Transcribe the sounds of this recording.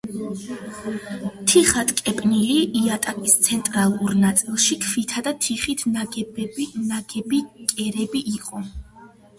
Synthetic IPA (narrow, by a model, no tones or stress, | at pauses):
t̪ʰiχat̪ʰʼkʼɛpʼniliʔiat̪ʼakʼist̪sʰɛnt̪ʼɾalˠuɾnat̪sʼilˠʃikʰfit̪ʰad̪at̪ʰiχit̪ʰnaɡɛbbnaɡɛbikʼɛɾɛbiʔiqʼɔ